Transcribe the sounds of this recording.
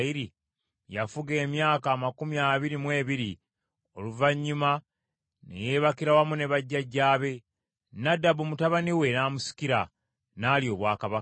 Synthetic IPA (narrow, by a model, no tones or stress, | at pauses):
iɾi | jafuɡe̞ːmjaːkaːmakumjaːβiɾimwe̞ːβiɾi | o̞luvaɲːuma | ne̞̰je̞ːβakiɾawamune̞βaɟːaɟːaːβe̞ | nadːabumutaβaniwe̞naːmusi̥kiɾa | naːlio̞ːβwaːkaβak